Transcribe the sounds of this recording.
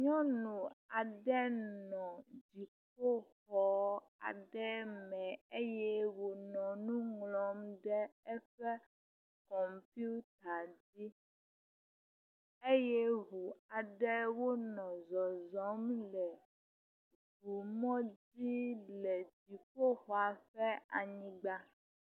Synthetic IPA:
ɲɔ̃˦nũ˨a˨ɖɛ˦nɔ̃˨d͡ʑi˨k͡p̚o˦xɔ˨˦ | a̰˨ɖɛ˦mɛ̃˨e˦jɛ˦wo˨nɔ̃˨nũ˦ŋlɔ˨mɖɛ˦ɛ˦ɸɛ˦ | kɔ˨mpi˦u˦t̪a˨di˦ | e˦jɛ˦ɣu˨a˨ɖɛ˦wo˦nɔ̃˨zɔ˨zɔ˨˦mlɛ˨ | vu˨mɔ̃˦di˦lɛ˨d͡ʑi˨k͡ppo˦xɔ˨a˨ɸɛ˦a˨ɲĩ˦ɡ͡ba˦

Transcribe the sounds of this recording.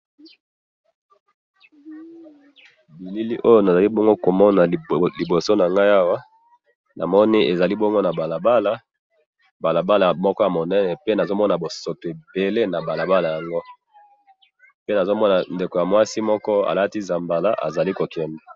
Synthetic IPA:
bi˨li˦li˦ʔo˦jo˦na˨za˨li˦bɔ˦ŋɡo˦ko˨mɔ˦na˨li˨bo˨so˦na˨ŋɡa˦ja˦wa˦ | na˨mɔ˦ni˦ʔe˨za˨li˦bɔ˦ŋɡo˦na˨ba˨la˨ba˦la˦ | ba˨la˨ba˦la˨mɔ˦kɔ˦ja˨mo˨nɛ˦nɛ˨pe˦na˨zo˦mɔ˦na˨bo˨so˨to˨e˨be˨le˦na˨ba˨la˨ba˦la˨ja˨ŋɡo˦ | pe˦na˨zo˦mɔ˦na˨nde˨ko˨ja˨mwa˦si˦mɔ˦kɔ˦a̰˨la˦ti˦za˨mba˨la̰˦ʔa̰˨za˨li˦ko˨kɛ˨ndɛ˨

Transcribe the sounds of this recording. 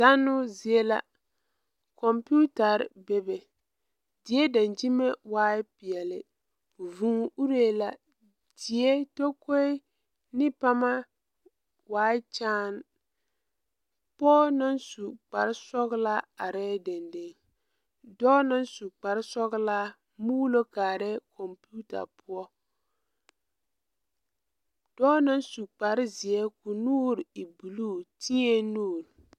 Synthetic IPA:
za˦nːʊ˦zi˨e˦la̰˦ | kɔ˨mpu˦ta˨ɾbe˦be˨ | dɪ˨˦e˦da˨nd͡ʒi˦me˦waː˦ɪ˦pɪ˨ɛ˨lɪ̰˨ | vũ˨˦˨u˦ɾe˦la˨ | d͡ʒdɪ˨e˦to˦ko˦ɪ˦ | nɪ˦pa˦ma˦ | waː˦ɪ˦t͡ʃaː˦n | pɔː˦na˦nsu˨k͡pa˨ɾɪ˦sɔ˦ɣla˦a˨ɾɛː˦de˨nde˦ŋ | dɔː˦na˦nsu˨k͡pa˨ɾɪ˦sɔ˦ɣla˦ | muː˦lo˦kaː˨ɾɛ˦kʰɔ˨mpu˦ta̰˨pʊ˦ɔ˦ | d̥ɔː˦na˦nsu˨k͡pa˨ɾɪ˦zi˨ɛ˦ku˨nuː˦ɾɪ˨bu˨luː˦˨ti˦e˦nuː˦˨ɾ

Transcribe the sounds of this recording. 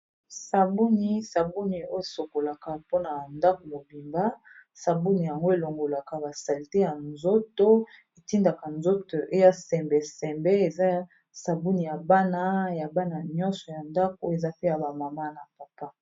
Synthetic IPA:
sa˨bu˦ni˦sa˨bu˦ni˨o˦e˨so˨ko˨la˨ka˨po˦na˨nda˦ko˨mo˨bi˨mba˦sa˨bu˦ni˨ja˨ŋɡo˦e˨lo˨ŋɡo˨la˨ka˨ba˨sa˨li˨te˦ja˨nzo˦to˦ | e˨ti˦nda˨ka˨nzo˦to˨ʔo˦a˦sɛ˨mbe˨sɛ˨mbe˦e˨za˦ | sa˨bu˦ni˨ja˨ba˦na˦ja˨ba˦na˨ɲɔ̃˦nsɔ˨ja˨nda˦ko˦e˨za˦pe˦ja˨ba˨ma˨ma˦na˨pa˨pa˦

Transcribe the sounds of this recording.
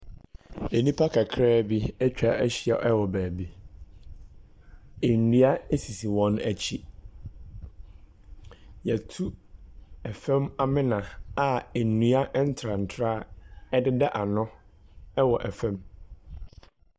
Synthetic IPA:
e˨nĩ˦pʰa˦kʰa˨kʰɾɛː˦bi˦ɛ˦t͡ɕᶣa˦˨ʔæ˦ɕi˦a˨ʔɛ˦wɔ˨bæː˨bi˦ | e˨nũ˦a˦e˦si˨si˨wɔ̃˦næ˨t͡ɕʰi˦ | jɛ˨tʰu˦ | ɛ˨fɛ̃˦ma˦mɪ̃˦nã˨a˨e˨nũ˨a˦ʔn̩˦tʰɾa˨n̩˨tʰɾa˦ɛ˦dɪ˦da˦ʔa˨nʊ̃˦ɛ˦wɔ˨ʔɛ˨fɛ̃˦m

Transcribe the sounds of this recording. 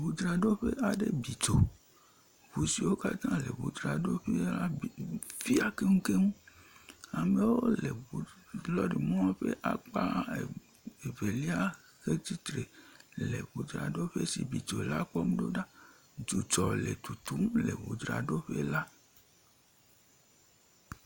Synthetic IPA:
βu˨d̪ɾa˨ɖo˦ɸe˦ʔa˨ɖe˦bi˨t͡ʃo˨ | βu˨si˨wo˦ka˦t̪ã˦lḛ˨βṵ˨d̪ɾa˨ɖo˦ɸe˦la˦˨fi˦a˦ke˦ŋũ˦ke˦ŋũ˦ | a˨mẽ˨woo˦le˨u˨lɔ˦ɖi˨mɔ̃˦ɸe˦ʔa˨k͡pa˦˨ | e˨ve˨li˦a˦ | xe˦t̪i˦t̪ɾe˨lḛ˨βu˨d̪ɾa̰˨ɖo˦ɸe˦sḭ˨bi˨to˨la˦k͡pɔ˦m˦ɖo̰˦ɖa˦ | d͡ʒu˨t͡ʃɔ˨le˨t̪u˨t̪u˦mlḛ˨βṵ˨d̪ɾa̰˨ɖo˦ɸe˦la˦

